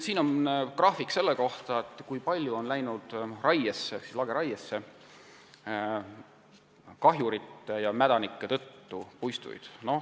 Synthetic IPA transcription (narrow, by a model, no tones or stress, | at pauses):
siːno̞nkrɑːfikse̞lːeko̞ht̪ɑet̪ːˑkujpɑlʲjuo̞nlæjnud̪̥rɑjesːesislɑɡeɾɑjesːe̞ | kɑɦjuɾit̪ːˑejɑmæd̪ɑnikːet̪ɤ̞t̪ːupujst̪ṵjd̪̥no̞